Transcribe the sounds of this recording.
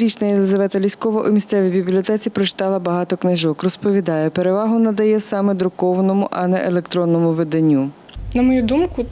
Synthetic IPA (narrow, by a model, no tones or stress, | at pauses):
ɾʲit͡ʃnɐjelˠɪzɐʋɛt̪ɐlʲisʲkɔʋɐʔumʲist̪sɛʋʲibʲiblʲiɔt̪ɛt͡sʲipɾɔt͡ʃɪ̥t̪ɑlˠɐbɐɦɑt̪ɔknɪʒɔkrɔspɔʋʲid̪ɑjɛpeɾeʋɑɦʊnɐd̪ɐjɛsɑmɛd̪ɾʊkɔʋɐnɔmʊʔɐnɛʔelˠekt̪ɾɔnːɔmʊʋed̪ɐnʲːu | nɐmɔjud̪umkʊ